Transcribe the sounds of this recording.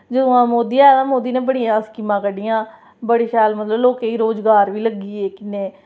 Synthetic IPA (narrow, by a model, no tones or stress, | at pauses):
d͡ʒəd̪õːãːmoːd̪iːɛːãːmoːd̪iːnẽːbəɽɪjãːskimãːkəɖijãː | bəɽiːʃɛːlmət̪ləbloːkeːiːɾoːd͡ʒɡaːɾʋiːləɡiːeːkɪneː